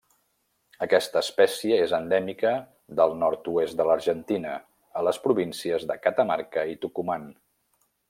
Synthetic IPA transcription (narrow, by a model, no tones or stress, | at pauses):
əkɛst̪əːspɛsiəezənd̪ɛmikə | ðəlˠnɔɾt̪uesd̪ələɾʒənt̪inə | ələspɾuβinsiəzðəkət̪əmaɾkəit̪ukuman